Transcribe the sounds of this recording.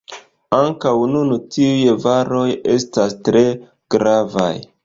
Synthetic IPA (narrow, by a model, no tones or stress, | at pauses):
aŋkawnuntiujvaɾo̞je̞stastɾe̞ | ɡ̥ɾava̰j